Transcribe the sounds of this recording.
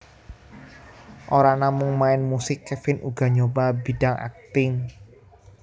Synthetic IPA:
ʔoɾanamʊŋmaɪnmusɪkːɛfɪnʔuɡ̥a̤ɲobabi̤d̥aŋa̰k̚t̪ɪŋ

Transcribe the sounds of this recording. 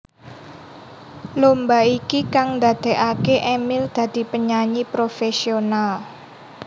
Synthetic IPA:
lombaikikaŋnd̪a̤d̪̥ɛ̤ʔakeʔemɪld̪̥ä̤d̪̥i̤pəɲaɲipɾofesional

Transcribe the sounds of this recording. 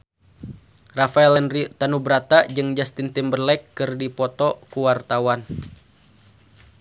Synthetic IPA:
rafaɛlɛnrit̪anubɾat̪ad͡ʒɨŋd͡ʒast̪int̪ɪmbərlɛkːɨrdipɔt̪ɔkuwart̪awan

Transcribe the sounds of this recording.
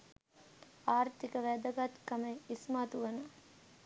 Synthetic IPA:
aːɾt̪ikəʋæd̪ɐɡɐt̪kɐmeismaːt̪uʋɐnɐ

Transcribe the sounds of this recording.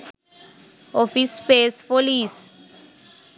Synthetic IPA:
ɔfispespolis

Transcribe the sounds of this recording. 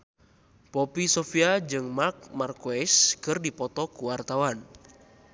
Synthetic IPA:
pɔpisɔfiad͡ʒɨŋmark̚markoɛskɨrdipɔt̪ɔkuwart̪awan

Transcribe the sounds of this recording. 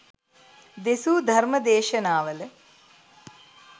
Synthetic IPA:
d̪esuːd̪ʱɐɾməd̪eːʃənaːʋələ

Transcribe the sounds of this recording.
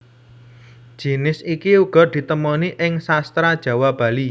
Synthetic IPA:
d̥ʒ̥inɪsikiuɡ̥ɔ̤d̪̥i̤t̪əmɔniʔɪŋsast̪ɾad̥ʒ̥ä̤wab̥ä̤li

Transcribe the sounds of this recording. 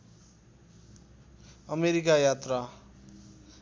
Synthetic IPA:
ʌmeɾikajat̪ra

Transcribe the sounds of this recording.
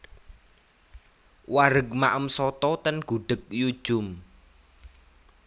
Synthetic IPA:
waɾəɡ̚maʔəmsɔt̪ɔt̪ənɡ̥uɖ̥ə̤k̚ju̥ʒ̥ʊm

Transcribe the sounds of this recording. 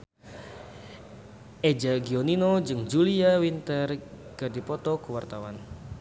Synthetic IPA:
ʔed͡ʒaɡioninod͡ʒɨŋd͡ʒuliawint̪ərkərdipɔt̪ɔkəwart̪awan

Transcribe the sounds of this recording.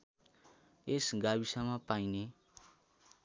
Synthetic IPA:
esɡabisamapajne

